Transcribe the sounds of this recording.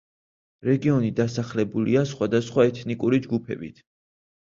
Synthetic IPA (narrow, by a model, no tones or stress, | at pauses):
ɾɛɡiɔnid̪asaχlɛbuliasχwad̪asχwaɛt̪ʰnikʼuɾid͡ʒɡupʰɛ̰bḭt̪ʰ